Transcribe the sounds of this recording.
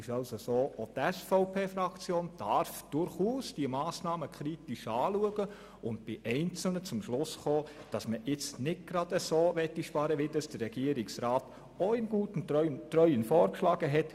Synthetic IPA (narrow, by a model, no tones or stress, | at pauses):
ɪʃɑlsosoːʔotɛsfɔʊpʰeːfɾɑkt͡sjoːnd̥ɑɾfd̥ʊɾχuːsd̥iəmɑːsnɑːməkʰɾitiʃɑːluəɡə | ʊnt̚b̥ɪʔɛɪnt͡sl̩nət͡sʊmʃlʊsχoːd̥ɑsməʔɪt͡snɪt̚ɡ̥ɾɑd̥əsoːʋɛtːiʃpɑɾəʋɪdɑsd̥ərɾɛɡ̥iəɾɪksɾɑːt | oɪmɡ̥uːtn̩tɾœənt̪ɾœʏənfɔːɾkʃlɑːɡəɦɛt